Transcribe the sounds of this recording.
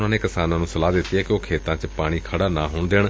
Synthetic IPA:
nãːneːkɪsaːnãːnũːsəlaːd̪ɪt̪ːiɛːkɪoːkʰeːt̪ãːt͡ʃpaːɽ̃iːkʰəɽaːnaːɦoːɳd̪eːɳ̃

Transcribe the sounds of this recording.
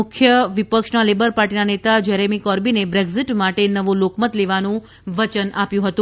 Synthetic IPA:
ʊkʰjəʋipəkʃnalebəɾpaɾʈinanet̪ad͡ʒɛɾemikɔɾbinebɾeɡziʈmaʈenəʋũlokmət̪leʋanũ | ʋət͡ʃənʔapjũɦət̪ũ

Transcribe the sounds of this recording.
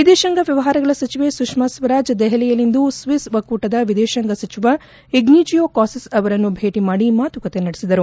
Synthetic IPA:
ʋid̪ɛːʃɐŋɡɐʋjɐʋɐɦaːɾɐɡɐɭɐsɐt͡ʃiʋe̞sukʂmasʋɐɾaːd͡ʒd̪ɛɦɛlɛjɐlind̪usʋisʋɐkuːʈɐd̪ɐʋid̪ɛːʃɐŋɡɐsɐt͡ʃiʋɐ | iɡniːd͡ʒijoːkaːsɐsɐʋɐɾɐnːubʱeːʈimaːɽimaːt̪ukɐt̪e̞nɐɽesid̪ɐɾu

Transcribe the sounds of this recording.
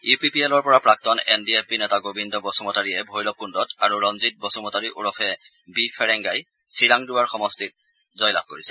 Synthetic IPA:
upipielɔɹpɔɹapɹak̚tɔnɛndiepinɛtaɡobʱindɔbɔsumɔtaɹiɛbʱojlɔb̚kundɔtaɹuɹɔnzit̚bɔsumɔtaɹiʔuɹɔpʰɛ | bifʰɛɹɛŋɡaj | siɹaŋdʊwaɹxɔmɔstit̚ | zɔjla̰b̚ʱkoɹisɛ

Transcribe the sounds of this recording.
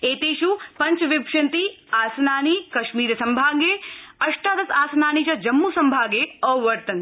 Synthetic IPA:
eːt̪eːʃupɐɲt͡ʃʋɪpʃɐnt̪i | aːsɐnaːnikɐʃmiːɾɐsɐmbʱaːɡeɐʂʈaːd̪ɐsaːsɐnaːnit͡ʃɐd͡ʒɐmːuːsɐmbʱaːɡeɔːʋɐɾt̪ɐn

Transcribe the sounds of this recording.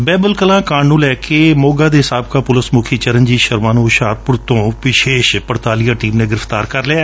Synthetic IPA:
bɛːbəlkəlãːkãːɳnũːlɛːkeːmoːɡaːd̪eːɦɪsaːb̚kaːpʊləsmʊkʰiːt͡ʃəɾənd͡ʒiːʃəɾmaːnũːʃaːɾpʊɾt̪õːʋɪʃeːʃpəɽt̪aːlijaːʈiːmnẽːɡɪɾɪft̪aːɾkəɾleaː

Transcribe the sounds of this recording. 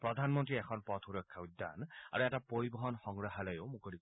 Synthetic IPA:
pɹɔd̪ʱanmɔntɹiɛkʰɔnpɔt̪ʰuɹɔkʰːaud̪ːa̰na̰ɹuɛtapoɹibɔɦɔnxɔŋɡɹaɦalɔjoʊmukolik

